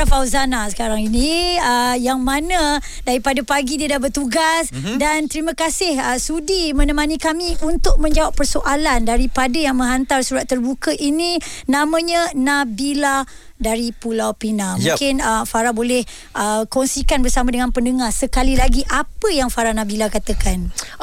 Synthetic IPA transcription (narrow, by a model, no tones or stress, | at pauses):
afawzanasə̥kaɾaŋinĩəjaŋmanã | daɾipadapaɡidiədahbərt̪uɡas | dant̪əɾimãkasɪhəsudimə̃nəmanikamiʔunt̪ʊk̚mə̃ɲd͡ʒawapːərsoʔalandaɾipadajaŋmə̃ŋɦant̪arsuɾat̪ːərbukəʔinĩnãmãɲənabila | daɾipulawpinãmũkɪnəfaɾabolɛh | əkɔŋsikanbərsamadəŋanpəndəŋasəkalilaɡiʔapəjaŋfaɾanãbilakat̪akan